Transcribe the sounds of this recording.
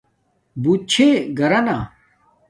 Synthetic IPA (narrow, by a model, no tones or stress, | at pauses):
but͡ɕʰeɡɐɾɐna